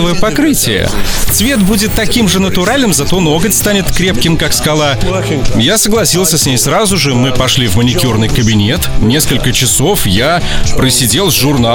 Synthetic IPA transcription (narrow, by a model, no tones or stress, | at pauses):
əvəjəpɐkɾɨtʲɪjə̰t̪svʲe̞t̪budʲɪt̪ːɐkʲimʐɨnət̪ʊɾalʲnɨmzɐt̪o̞noɡətʲst̪anʲɪt̪kɾʲe̞p̚kʲɪmkakskɐlˠa | jasəɡlˠɐsʲilˠsʲəsʲnʲejsɾazʊʐɨmɨpɐʂlʲivmənʲɪkʲurnɨjkəbʲɪnʲe̞t̪nʲe̞skəlʲkət͡ɕɪso̞fja | pɾəsʲɪdʲe̞lˠzʐʊrna